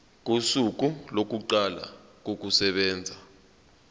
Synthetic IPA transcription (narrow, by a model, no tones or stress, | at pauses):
k̬usuk̬ulok̬uǃala̰k̬ok̬usɛɓɛːnd͡zʱa